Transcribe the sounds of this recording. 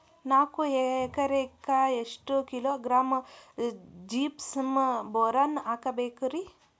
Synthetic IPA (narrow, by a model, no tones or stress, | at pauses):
naːkuekɐɾekːaeʂʈukiloːɡɾaːm | d͡ʒiːpsɐmboːɾanaːkɐbeːkuɾi